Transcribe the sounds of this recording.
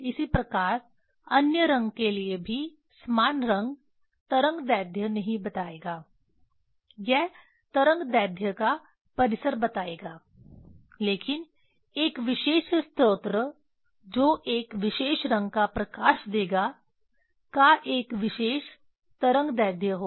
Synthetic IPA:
ɪsipɾɐkaːɾ | ɐnjəɾɐ̃ŋɡkeliebʱi | smaːnɾɐ̃ŋɡ | t̪ɐɾə̃ŋɡd̪ɛːd̪ʱjənɐɦĩbɐt̪aːeːɡaː | jɛɦ | t̪ɐɾə̃ŋɡd̪ɛːd̪ʱjəka | pɐɾɪsəɾbɐt̪aːeːɡaː | leːkɪn | eːkʋɪʃeːʃst̪ɾoːt̪ɾə | d͡ʒoːʔeːkʋɪʃeːʃɾɐ̃ŋɡ̚kapɾɐkaːʃd̪eːɡa | kaʔeːkʋɪʃeːʃ | t̪ɐɾə̃ŋɡd̪ɛːd̪ʱjəɦoː

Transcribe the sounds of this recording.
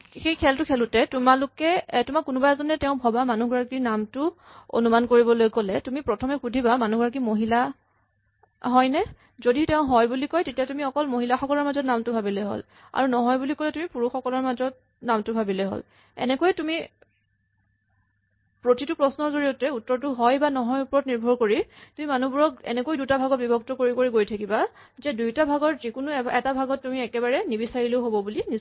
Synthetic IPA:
xejkʰɛltʊkʰɛlʊtɛtumalʊkɛtumakːunubajzɔnɛtɛʊ̃bʱɔbamanuɡɹakiɹnamtʊ | o̰numankoɹibɔlojkɔlɛtumipɹɔtʰɔmɛkudʱibamanuɡɔɹak̬imoɦila | ɦɔjnɛ | zoditɛʊ̃ɦɔjbulikɔjtetiatumiɔkɔlmoɦilaxɔkɔlɔɹmazɔtnamtʊbʱabilojɦo̰l | a̰ɹunɔɦɔjbulikɔlɛtumipuɹuxɔkɔlɔɹmazɔt̚ | namtʊbʱabilɛɦo̰l | ɛ̰nɛkojtumi | pɹotitʊpɹɔsnɔɹzoɹiotɛutːɔɹtʊɦɔjbanɔɦɔjupɔɹɔt̚niɹbʱɔɹkoɹitumimanubuɹɔk̚ɛ̰nɛkojdutabʱaɡɔt̚bibʱɔk̚tɔkoɹikoɹiɡojtʰakiba | zɛdujtabʱaɡɔɹzikunʊɛtabʱaɡɔtːumiɛkɛbaɹɛnibisaɹileʊɦobɔbulini

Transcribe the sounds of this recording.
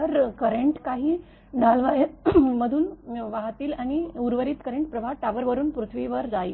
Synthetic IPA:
əɾkəɾeɳʈkaɦiː | ɖʱalʋajeməd̪ʱuːnʋaɦt̪iːlaɽ̃iuɾʋəɾiːt̪kəɾeɳʈ̚pɾəbʱaʈaʋəɾʋəɾuːnpɾut̪ʰʋiʋəɾd͡zaj

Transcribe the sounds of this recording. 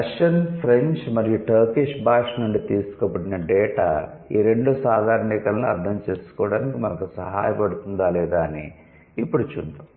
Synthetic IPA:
ʂɐnpʰɾeɲt͡ʃmɐɾijuʈʰɐːkiʂbʱaːʂnuɳɖit̪iːsu̥kɐbɐɽinɐɖɛːʈa̰ː | iːɾe̞ɳɖusaːd̪ʱaːɾɳikɐlnuɐ̰ɾd̪ʱʰɐmt͡ʃeːsu̥kɔːɐɽaːnikimɐnɐkusɐɦa̰ːjɐpɐɽut̪und̪aːlɛːd̪aːɐnḭː | pːuɽut͡ʃṵnt̪u

